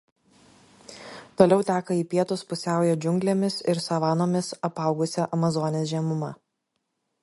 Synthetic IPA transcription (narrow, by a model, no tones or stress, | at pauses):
t̪oːlʲɛʊt̪ʲæːkɐiːpʲiɛt̪ʊspʊsʲæˑʊjɛd͡ʒʲʊŋʲɡʲlʲeːmʲɪsɪɾsɐʋɑːnoːmʲɪsɐpɐˑʊɡʊsʲɛʔɐmɐzɔːnʲeːsʒʲiɛmʊmɐ